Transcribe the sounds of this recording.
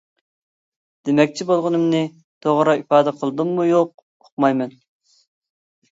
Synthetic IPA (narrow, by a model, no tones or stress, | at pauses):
d̪̥emɛk̚ʲt͡ʃʰibolˠʁʊnɨmnɨ | t̪ʰoʁɾɑifɑːd̪ɛqʰəlˠd̪ɨmːujoq̚ | oq̚mɑjmɛn